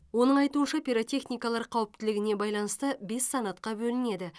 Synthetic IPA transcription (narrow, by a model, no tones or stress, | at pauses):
wo̞nəɴɑjt̪uənʃɑpʲiɾot̪ʲe̞χnijkɑlˠɑɾqʰɑwəp̚t̪ɪlɪɡʲɪne̞bɑjlˠɑnəst̪əbe̞sːɑnɑt̪̚qɑbɵlɪne̞d̪ɪ